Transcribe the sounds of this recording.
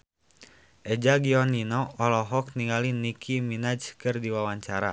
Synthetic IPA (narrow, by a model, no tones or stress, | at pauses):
ʔɛd͡ʒaɡiɔninɔːlɔɦɔk̚niŋɡalinikʰiminad͡ʒkɨrdiwawaɲt͡ʃaɾa̰